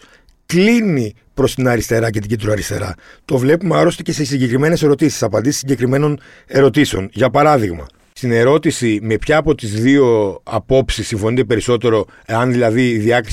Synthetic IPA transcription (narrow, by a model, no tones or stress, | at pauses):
klini | pɾo̞st̪inɐɾist̪e̞ɾɐce̞t̪iɟit̪ɾoɐɾist̪e̞̰ɾɐ̰t̪o̞vle̞pumeɐɾo̞st̪ece̞sesiɲɟe̞kɾime̞ne̞se̞ɾo̞t̪isi̥sɐpɐnd̪isi̥siɲɟe̞kɾime̞no̞n | e̞ɾo̞t̪iseo̞̰nʝɐpɐɾɐðiɣmɐ̰ | st̪ine̞ɾo̞t̪isime̞pçɐːpo̞t̪izðio̞ɐpo̞psisːiɱfo̞nit̪e̞pe̞ɾiso̞t̪e̞ɾo̞ | eɐnðilɐðiːðiɐkɾi